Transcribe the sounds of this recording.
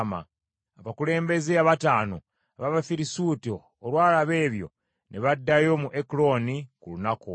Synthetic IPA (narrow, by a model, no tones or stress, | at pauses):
ma̰ | aβakule̞ːmbe̞zeaβataːno̰ | aβaβafiɾisuːtoːlwaːlaβe̞ːβjo̞̰ | nʔeβadːajo̞muʔeklo̞nikulunaku